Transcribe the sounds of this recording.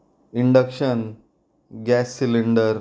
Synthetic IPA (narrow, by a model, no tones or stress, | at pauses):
iɳɖəkʂən | ɡæsːiliɳɖəɾ